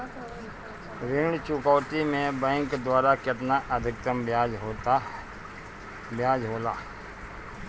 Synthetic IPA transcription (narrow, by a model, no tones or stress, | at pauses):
ɾɪɽt͡ʃʊkaːwt̪imẽbɛ̃ːŋkd̪waːɾakɪt̪naʔɐd̪ʱɪk̚t̪əmbjaːd͡ʒɦo | bjaːd͡ʒɦoːlaː